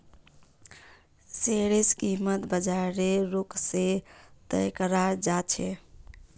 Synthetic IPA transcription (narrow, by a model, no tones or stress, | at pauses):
seɽeskimət̪bəd͡ʒaɾeɾokset̪əjkəɾaɾd͡ʒat͡ʃʰɛ